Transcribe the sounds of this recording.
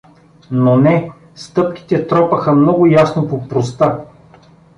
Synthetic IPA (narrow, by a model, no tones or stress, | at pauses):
nonɛ | st̪ɤpkʲi̥t̪ɛt̪ɾɔpəxəmnɔɡʊjasnopopɾost̪a